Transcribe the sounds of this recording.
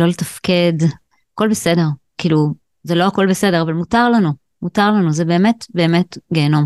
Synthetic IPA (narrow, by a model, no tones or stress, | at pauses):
lo̞letafke̞d | ako̞lbese̞de̞ʁ | kiːlu | zelo̞ako̞lbese̞de̞ʁavalmutaʁlanu | mutaʁlanuzebe̞ːme̞tbe̞ːme̞tɡeːno̞m